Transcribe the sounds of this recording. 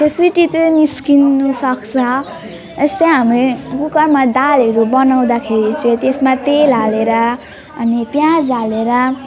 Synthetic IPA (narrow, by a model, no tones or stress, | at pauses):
t̪eswiʈit̪ʌniskinusʌkt͡sʰʌ | est̪ʌɦamrekukʌrmad̪aleɾubʌnaw̃d̪akʰeɾit͡sʰut̪esmat̪elaleɾʌː | nipjãd͡zaleɾʌ